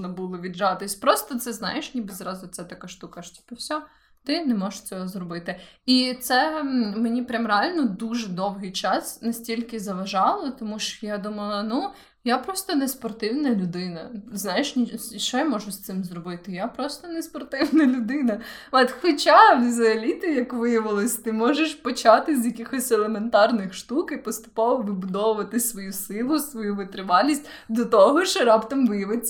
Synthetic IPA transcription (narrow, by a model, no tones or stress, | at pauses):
nɐbulˠɔʋʲidʒɑt̪ɪsʲpɾɔst̪ɔt̪sɛznɑ̰jeʃnʲibɪzɾɑzʊt̪sɛt̪ɐkaʃt̪ukɐʃtʲi̥pɛwsʲɔɔ | t̪ɪnɛmɔʒ̥ʃt͡sʲɔɦɔzrɔbɪt̪ɪit̪sɛmenʲipɾʲɐmɾealʲnɔd̪uʒɛd̪ɔwɦɪjt͡ʃɑsnɐsʲtʲilʲkɪzɐʋɐʒɑlˠɔt̪ɔmuʃjad̪umɐlˠɐnu | japɾɔst̪ɔnɛspɔrt̪ɪwnɐlʲʊd̪ɪnɐznajeʃnʲʃt͡ʃɔjamɔʒʊsʲt̪sɪmzrɔbɪt̪ɪjapɾɔst̪ɔnespɔrt̪ɪwnɐlʲʊd̪ɪnɐɔt̪xɔt͡ʃaʋʲizʲɐɐlʲit̪ɪjɐkʋɪjɐʋɪlˠɔsʲt̪ɪmɔʒeʃpɔt͡ʃɑt̪ɪzʲjɐkʲixɔsʲɛlˠement̪ɑrnɪxʃt̪ukipɔst̪ʊ̥pɔʋɔʋɪbʊd̪ɔʋʊʋɐt̪ɪsʋɔjusɪlˠʊsʋɔjuʋɪt̪ɾɪʋɑlʲisʲtʲ | d̪ɔt̪ɔɦɔʃɾɑpt̪ɐmʋɪjɐʋɪt͡sʲː